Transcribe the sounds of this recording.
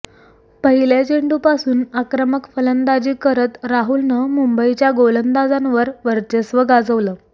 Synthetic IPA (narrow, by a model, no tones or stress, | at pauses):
pəɦilet͡ɕeɳɖupasuːnakɾəməkfələnd̪ad͡ʑiːkəɾət̪ɾaɦulnəmumbəit͡ɕjaɡolənd̪ad͡zanʋəɾʋəɾt͡ɕesʋəɡad͡zəʋləː